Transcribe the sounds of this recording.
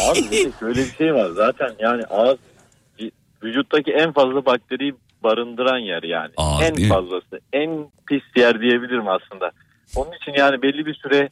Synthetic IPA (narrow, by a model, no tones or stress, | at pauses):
amibiɛʃø̞jlʲɛbiʃe̞jvaɾzaːt̪ʰænjaːniʔaːz | i | vyd͡ʒut̪ːaciænfazlˠabak̚t̪ʰeɾiji | baɾɯnd̪ɯɾanjæɾja̰ːnɪænfazlˠasɯænpʰisd̪ijæɾd̪ije̞bilʲiɾimaslˠɯnd̪a | o̞nunit͡ʃʰinjaːnibɛlʲːibisyɾɛ